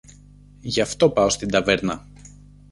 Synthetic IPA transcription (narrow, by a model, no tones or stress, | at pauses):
ʝɐft̪o̞pɐo̞st̪ind̪ɐveɾnɐ